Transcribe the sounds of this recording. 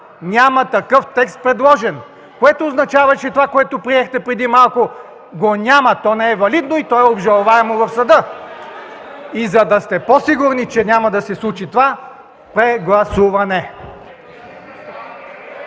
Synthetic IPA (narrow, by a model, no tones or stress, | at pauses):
nʲamɐt̪ɐkɤft̪ɛkst̪̚pɾɛd̪lˠɔʒɛn | koɛt̪oːznɐt͡ʃavɐt͡ʃɛt̪ovakoɛt̪opɾiɛxt̪ɛpɾɛd̪imalˠko | ɡonʲamɐt̪ɔnɛɛvɐlid̪noit̪ɔɛobʒɐlˠvaɛmovɐfsɐd̪ɤ | izɐd̪ɐst̪ɛposiɡʊɾnit͡ʃɛnʲamɐd̪ɐsɛslˠut͡ʃit̪ova | pɾɛɡlˠɐsuvɐnɛ